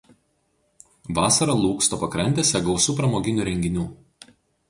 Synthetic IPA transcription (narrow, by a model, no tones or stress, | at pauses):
ʋɑːsɐɾɐlˠuːkst̪oːpɐkɾɐnʲt̪ʲɛsʲɛɡɒʊsuːpɾɐmoːɡʲɪnʲuːɾʲɛŋʲɡʲɪnʲuː